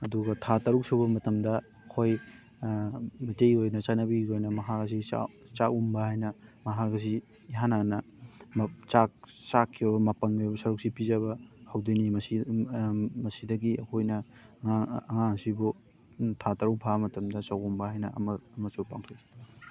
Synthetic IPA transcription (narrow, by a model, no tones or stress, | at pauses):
ɐduɡɐtʰatɐɾuk̚suβɐmɐtɐmdɐ | ɐkʰoj | mɐtejojnɐt͡ʃanɐbiojnɐmɐɦaɡɐs̬ia̰t͡ʃakumbɐhajnɐmɐɦaɡɐs̬iː | ɦananɐ | mt͡ʃak̚t͡ʃakʰːibɐbɐmɐpɐŋojbɐsɐɾuk̚sipizɐβɐhɐwdojnimɐsi | mɐsidɐɡiɐkʰojnɐ | aːŋaŋsibu | tʰatɐɾuk̚pʰamɐtɐmdɐt͡ʃakumbɐhajnɐmɐːmɐsupa̰ŋtʰo